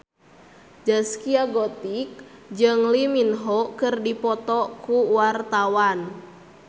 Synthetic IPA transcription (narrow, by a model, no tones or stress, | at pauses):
d͡ʒaskiaɡɔt̪ik̚d͡ʒɨŋliminɦɔkɨrdipɔt̪ɔkuwart̪awan